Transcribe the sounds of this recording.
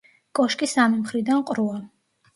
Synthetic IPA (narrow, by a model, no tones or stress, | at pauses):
kʼɔʃkʼisamimχɾid̪anqʼɾua